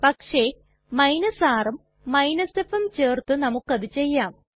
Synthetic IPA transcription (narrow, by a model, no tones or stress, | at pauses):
pɐkʂe̞ | mɐjnɐsaːrɐmː | ɐjnɐsefemt͡ɕeːrt̪ɨnɐmukːɐðɨt͡ɕe̞jːaːm